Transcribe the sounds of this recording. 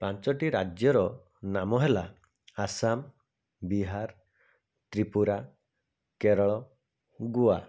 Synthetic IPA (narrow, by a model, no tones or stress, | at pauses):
pant͡ʃɔʈiɾad͡ʒjɔɾɔ | namɔɦela | asam | biɦaɾ | t̪ɾipuɾa | keɾɔɭɔ | ɡua